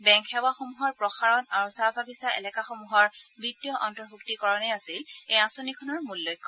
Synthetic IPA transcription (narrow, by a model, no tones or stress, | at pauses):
bɛŋkʰɛwaxomuɦɔɹpɹɔxaɹɔnaɹusabʱaɡisaɛ̰lɛkaxomuɦɔɹbitːijɔʔɔntɔɹbʱuktikɔɹɔnɛasilejasonikʰɔnɔɹmulːojkʰːɔ